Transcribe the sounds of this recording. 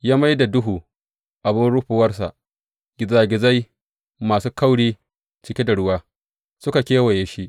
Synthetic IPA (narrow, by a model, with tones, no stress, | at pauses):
jaː˦ma˦jda˨dʊ˦ɦuː˨ | ʔa˨bɪ˦nɽʊ˦ɸuː˨wɐ˦rs̬a̰˨ʔ | ɡ̥ʲɪ˨zaː˦ɡʲɪ˨za˦j | maː˨suː˦ka˦wɽiː˦ | t͡ʃɪ˦kʲe˦da˨ɽʊ˦waː˦ | sʊ˦ka˨kʲeː˦wɐ˨je˦ʃi˦ʔ